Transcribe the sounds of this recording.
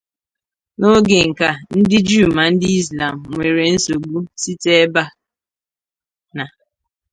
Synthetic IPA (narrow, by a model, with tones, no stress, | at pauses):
no˦ɡe˨ŋ̩˨ka˨n̩˦dɪ˦d͡ʒu˦˨ma˨n̩˦dɪ˦i˦zla˨m̩˨ŋʷe˨ɾe˨n̩˦so˨ɡ͡bu˦si˦te˦ba˦ | na˨